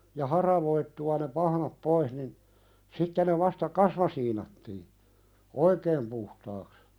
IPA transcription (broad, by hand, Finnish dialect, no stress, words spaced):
jɑ hɑrɑʋoitːuɑ ne pɑhnɑp pois nin sitːe ne ʋɑstɑ kɑsmɑsiːnɑtːiː oikeːm puhtɑːks